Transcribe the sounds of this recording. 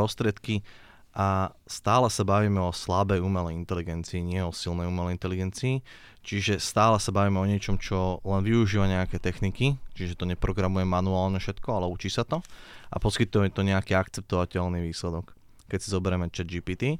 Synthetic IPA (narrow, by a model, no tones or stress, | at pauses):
ɾɔst̪ɾɪɛt̪ki | ʔa | st̪aːlɛsabaʋiːmɛɔslabɛjuːmɛlɛint̪ɛliɡɛnt͡siːɲɪɛɔsilnɛjumɛlɛint̪ɛliɡɛnt͡siː | t͡ʃiʒɛst̪aːlɛsabaʋiːmɛɔɲɪɛt͡ʃɔmt͡ʃɔlɛnʋiuʒiːʋaɲɛakɛːt̪ɛxnikit͡ʃiʒɛt̪ɔɲɛpɾɔɡɾamujɛmanuaːlɲɛfʃɛt̪kɔalɛut͡ʃiːsat̪ɔʔa̰pɔskit̪uɛmɛt̪ɔɲɛakiːakt͡sɛp̚t̪ɔʋacɛlniːʋiːslɛd̪ɔkː | ɛcsizɔbɛɾɛmɛt͡ʃɛd͡ʒipiːt̪i